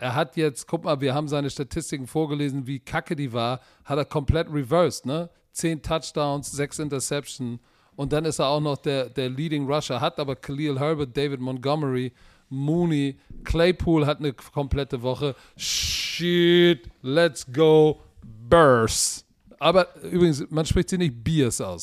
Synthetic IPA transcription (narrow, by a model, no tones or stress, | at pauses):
ʔeːɐɦatʰjɛt͡stkʰʊk̚maːlviːɐɦaːbm̩zaɪnəʃtatʰɪstɪkŋ̩foːɐɡəleːzn̩viːkʰakədiːvaːɐ | hateːɐkʰɔmpl̥ɛtʁivɜɐstnə | t͡seːntʰat͡ʃd̥aʊ̃nsz̥ɛksʔɪntɐsɛpʃn̩ | ʔʊnt̚d̥anɪsteːɐaʊxnɔχd̥eːɐdeːɐliːɾɪŋʁaʃɐɦatʔaːbɐkʰliːlɦœɐbət̚d̥eɪvɪtmɔnɡɔməʁi | muːnikʰleɪpʰuːlɦatnəkʰɔmpl̥ɛtəvɔχə | ʃitlɛtsɡ̥oʊ | bɜs | ʔaːbɐʔyːbʁɪɡŋ̩smanʃpʁ̥ɪçtz̥iːnɪçt̚b̥isʔa̰ʊs